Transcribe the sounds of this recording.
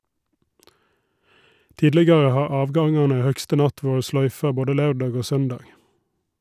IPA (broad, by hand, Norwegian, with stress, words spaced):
ˈtiːdlɛɡɑʁə ˈhɑː ˈɑːʋˌɡɑŋɑnə ˈhœkstə ˈnɑt ˈʋuːɹə ˈslœʏfɑ ˈboːdə ˈlɑʉˌɖɑːɡ ˈoː ˈsœnˌdɑːɡ